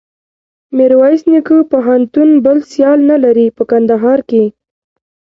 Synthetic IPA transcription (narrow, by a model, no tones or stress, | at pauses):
mɪɾwɑjsnikəpoɦant̪unbəlsjɑlnalaɾipəkand̪aɦɑɾke